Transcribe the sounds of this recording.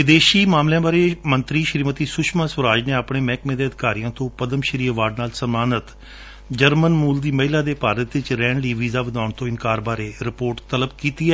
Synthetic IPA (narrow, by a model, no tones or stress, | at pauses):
ʋɪd̪eːʃiːmaːmljãːbaːɾeːmənt̪ɾiːʃəɾiːmət̪iːsʊʃmaːsʋəɾaːd͡ʒneːaːpɳeːmɛ̃ːkmẽːd̪eːəd̪ɪkaːɾijãːt̪õːpəd̪əmʃəɾiːʋaːɖnaːlsəmaːnət̪ | d͡ʒəɾmənmuːld̪iːməɦɪlaːd̪eːpaːɾət̪ʋɪt͡ʃɾɛːɳliːʋiːzaːʋəd̪aːʊɳt̪õːɪnkaːɾbaːɾeːɾɪpoːɾʈt̪ələbkiːt̪iːɛ